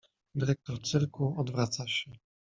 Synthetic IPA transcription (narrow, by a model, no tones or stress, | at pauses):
d̪ɘɾɛk̚t̪ɔɾt̪sɘɾkuɔd̪vɾat̪saɕɛ